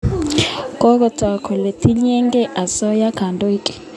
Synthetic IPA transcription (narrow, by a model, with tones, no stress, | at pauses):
kʼɔ˦kɔ˨tʰwa˨kʰɔ˨le˨tʰi˦ɲɛ˦ŋɡɛ˦ʔa˨sɔ˦ja˦kʰa˨ndo˦i˦kʼɛ̥˨